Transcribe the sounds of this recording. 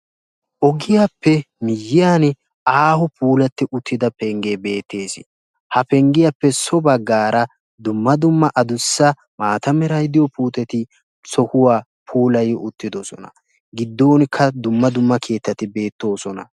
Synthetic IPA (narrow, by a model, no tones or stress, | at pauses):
ʔɔɡɪjapːɛ | mɪjːɪjaːn | aːhɔpuːlɐt̪ːɪʔʊt̪ːɪd̪ɐpɛŋɡebe̞ːt̪ːe̞ːsɪ | hɐpɛŋɡɪjɐpːɛsɔbɐɡːaːɾɐ | d̪ʊmːɐd̪ʊmːɐʔɐd̪ʊsːɐ | maːt̪ɐmɛɾɐjd̪ɪjɔpuːt̪ɛt̪ɪ | sɔhʊwaː | pʰuːlɐjɪʔʊt̪ːɪd̪ɔsɔnɐ̰ | ɡɪd̪ːoːnkʰːɐd̪ʊmːɐd̪ʊmːɐkʰe̞ːt̪ːɐt̪ɪbe̞ːt̪ːo̞ːsɔnɐ̰